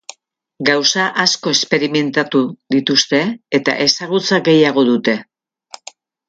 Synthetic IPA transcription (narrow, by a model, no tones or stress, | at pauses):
ɡawsaʔasko̞e̞spe̞ɾime̞nt̪at̪uðit̪ust̪e̞et̪a̰ʔe̞saɣ̞ut͡saɡe̞jaɣ̞o̞ðut̪e̞